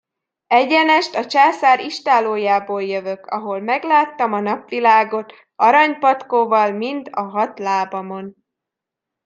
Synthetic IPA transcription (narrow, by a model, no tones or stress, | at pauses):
ɛɟɛnɛʃt̪ɒt͡ʃaːsaːɾiʃt̪aːloːjaːboːljøvø̞kɒɦo̞lmɛɡlaːt̪ːɒmɒnɒpʋilaːɡo̞t̪ | ɒɾɒɲpɒt̪koːvɒlmint̪ɒɦɒt̪laːbɒmo̞n